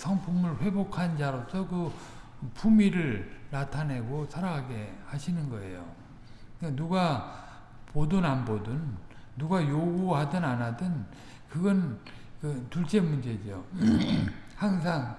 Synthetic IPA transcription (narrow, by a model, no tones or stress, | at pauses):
sʰʌŋpʰumɯɭɸwe̞bokʰand͡ʑaɾosʰʌkɯ | pʰumiɾɯɭːatʰane̞ɡosʰaɾaɡaɡe̞haɕʰinɯnɡʌe̞̰jo̰ | enuɡa | podɯnanbodɯnːuɡajoɡuɦadɯnanadɯn | kɯɡʌnkɯtuɭt͡ɕ͈emund͡ʑe̞d͡ʑo̰ | haŋsʰaŋ